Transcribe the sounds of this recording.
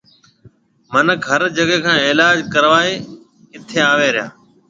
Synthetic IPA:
mənəkɦəɾd͡ʒəɡeːkʰãːeːlaːd͡ʒkəɾʋaːeː | ɪt̪ʰeːaːʋeːɾɪja̰ː

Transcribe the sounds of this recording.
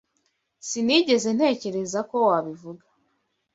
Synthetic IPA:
siniːɟe̞ze̞n̥he̞ːce̞ɾe̞zako̞waβivuɡḁ

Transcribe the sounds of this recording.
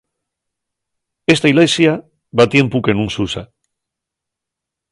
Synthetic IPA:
e̞st̪ailesja | βat̪je̞mpuke̞nũnsusa̰

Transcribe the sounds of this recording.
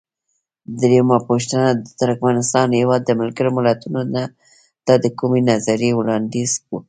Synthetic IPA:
d̪ɾemɑpoʃt̪ənad̪ət̪ʊɾkmanɪst̪ɑnhewɑd̪ːəmɪlɡaɾomɪlat̪unona | t̪ɑd̪əkumenazaɾewɽɑnd̪izku

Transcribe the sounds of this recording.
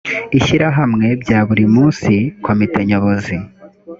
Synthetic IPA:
iʃiɾaɦamŋe̞bɟaːβuɾimuːnsikʰomite̞ɲo̞βo̞zi

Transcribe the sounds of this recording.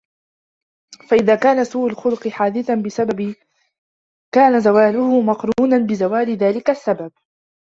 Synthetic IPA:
faʔɪðaːkaːnasuːʔʊlxʊlʊqɨħaːd̪ɪθanbɪsababɪ | kaːnazawaːlʊhʊmɑqɾuːnanbɪzawaːlɪðaːlɪkasːabab̚

